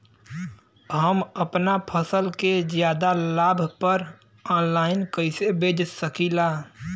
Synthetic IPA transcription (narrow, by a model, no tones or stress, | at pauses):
ɦəməpnapʰəsəlked͡ʒjaːd̪alaːbʱpəɾ | ɔːnlaːɪnkəɪsebeːd͡ʒsəkilaː